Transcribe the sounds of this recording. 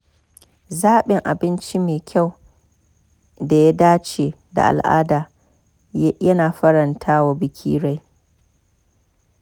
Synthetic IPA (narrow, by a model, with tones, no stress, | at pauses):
zaː˦ɓɪ˨ŋʔa˨bɪ˦nt͡ʃi˦meː˨kʲʰa˦˨w | da˨ja˦daː˦t͡ʃeː˨ | da̰˨ʔa̰˨lʔa̰ː˦daː˨ | jjɐ˦naː˨ɸɐ˦ɾɐ˨ntʰaː˦wa˨bɪ˦kʲʰḭː˦ɽa˨˦j